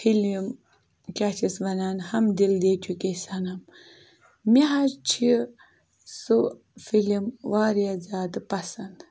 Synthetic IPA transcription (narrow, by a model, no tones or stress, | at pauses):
filim | kʲaːt͡ʃʰisʋɐnaːnhɐmd̪ild̪eːt̪ʲʰukʲesɐnɐm | miɦazt͡ʃʰi | su | filimʋaːɾjazaːd̪ɨpɐsɐnd̪